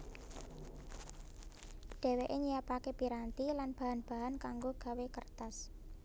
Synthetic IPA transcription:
ɖ̥ɛ̤weʔeɲijapakepiɾant̪ilanb̥a̤ɦanb̥a̤ɦankaŋɡoɡ̥a̤wekərt̪as

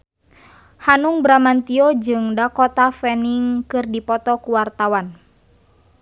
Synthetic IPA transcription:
hanuŋbɾamant̪iɔd͡ʒɨŋdakɔt̪afɛniŋkɨrdipɔt̪ɔkuwart̪awan

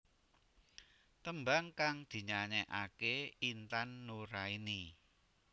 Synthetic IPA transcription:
t̪əmbaŋkaŋd̪̥i̤ɲaɲɛʔakeint̪anːoɾaini

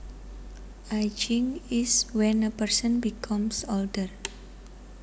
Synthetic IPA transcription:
ʔajd͡ʒiŋiswɛnəpərsənbikʰɔmsɔldər

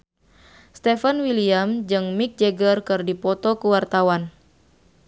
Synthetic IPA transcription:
st̪efanwiliamd͡ʒɨŋmik̚d͡ʒeɡərkɨrdipɔt̪ɔkuwart̪awan

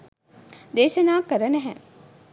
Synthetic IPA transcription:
d̪eːʃɐnaːkːəɾənɛɦɛ̰

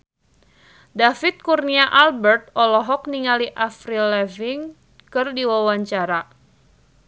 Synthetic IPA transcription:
dafit̪̚kurniaʔalbɛrt̪̚ɔlɔɦɔk̚niŋaliʔafɾilɛviŋ | kɨrdiwawaɲt͡ʃaɾa

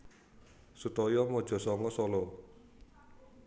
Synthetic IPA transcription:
sut̪ɔjɔmɔd̥ʒ̥ɔ̤sɔŋɔsɔlɔ

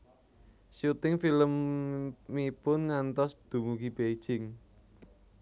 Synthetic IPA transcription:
ʃut̪ɪŋfiləmː | ipʊnŋant̪ɔsd̪̥ṳmuɡib̥ei̥ʒ̥ɪŋ

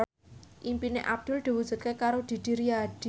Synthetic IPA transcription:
ʔimpineʔab̚d̪̥ʊ̤ld̪̥i̤wud̥d͡ʒ̥ṳt̪̚kekaɾod̪̥i̤d̪̥iɾiad̪̥

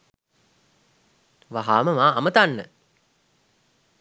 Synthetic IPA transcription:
ʋaɦaːməmaːmət̪anːə

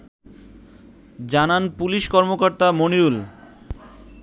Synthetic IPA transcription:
d͡ʑananpuliʃkɔɾmokoɾt̪amoniɾul

